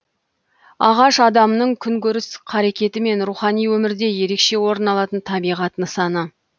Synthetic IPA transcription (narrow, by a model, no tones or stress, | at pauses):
ɑʁɑʃɑd̪ɑmənəɴkʲʰʏŋkʲɵɾɪsqʰɑɾekʲe̞t̪ɪme̞nɾuχɑnijwɵmɪɾd̪e̞je̞ɾe̞kʃe̞wo̞ɾənɑlˠɑt̪ənt̪ʰɑbijʁɑt̪nəsɑnə